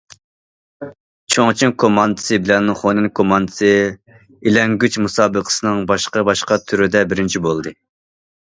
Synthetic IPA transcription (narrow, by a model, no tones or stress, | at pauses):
t͡ʃʰoŋt͡ʃʰiŋkʰomɑnd̪ɨ̥sɨbɪlɛnχonɨnkʰomɑnd̪ɨsɨ | ilɛŋɡʲyt͡ʃmusɑːbɨqʰə̥sɨnɨŋbɑʃqɑbɑʃqɑt̪ʰyɾyd̪ɛbɪɾɪnt͡ʃʰibolˠd̪ɨ